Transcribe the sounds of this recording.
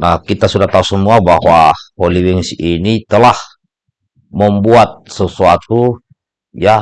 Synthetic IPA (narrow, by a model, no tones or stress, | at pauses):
nahkit̪asudaht̪ausəmuabaɦwaholiwiŋsinit̪əlah | məmbuat̪̚səsuat̪u | ja